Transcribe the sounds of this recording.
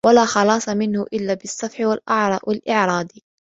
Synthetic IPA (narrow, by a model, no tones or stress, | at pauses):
walaːxɑlɑːsˤɑmɪnhʊʔɪlːaːbɪsˤːɑfħɪwalʔɑʕɾˤɑːwalʔɪʕɾˤɑːd̪i